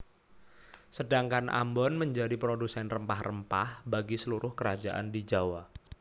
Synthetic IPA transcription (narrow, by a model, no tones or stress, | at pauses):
sədaŋkanʔa̰mbɔnməɲd͡ʒadipɾodusɛnrəmpahrəmpahbaɡisəluɾʊhkəɾad͡ʒaʔa̰ndid͡ʒawa